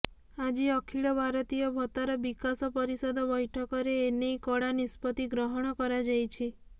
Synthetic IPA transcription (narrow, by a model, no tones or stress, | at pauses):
ad͡ʒiɔkʰiɭɔbʱaɾɔt̪ijɔbʱɔt̪aɾɔbikasɔpɔɾisɔd̪ɔbɔjʈʰɔkɔɾeːnejkɔɽanispɔt̪iɡɾɔɦɔɽ̃ɔkɔɾad͡ʒajt͡ʃʰi